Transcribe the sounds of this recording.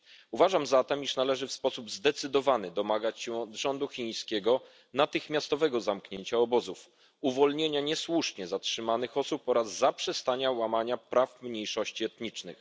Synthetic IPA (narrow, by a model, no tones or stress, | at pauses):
uvaʐamzat̪ɛmiʂnalɛʐɘfspɔsubzd̪ɛt̪sɘd̪ɔvanɘd̪ɔmaɡat͡ɕɕɛɔd̪ʐɔnd̪uxʲij̃skʲɛɡɔ | nat̪ɘxmʲjast̪ɔvɛɡɔzamkɲeɲt͡ɕaɔbɔzuf | uvɔlɲeɲaɲɛswuʂɲɛzatʂɘmanɘxɔsupɔɾazːapʂɛst̪aɲawamaɲapɾafmɲejʂɔɕt͡ɕiɛt̪ɲit͡ʂnɘ̰x